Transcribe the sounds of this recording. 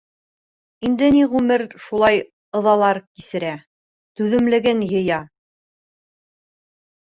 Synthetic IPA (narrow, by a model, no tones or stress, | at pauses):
ind̪ɘniʁʉmɘɾʃulˠɑj | ɤ̆ðɑlˠɑɾkisɘ̆ɾæ | t̪ʉðɘ̆mlɘ̆ɡɘnjɤ̆jɑ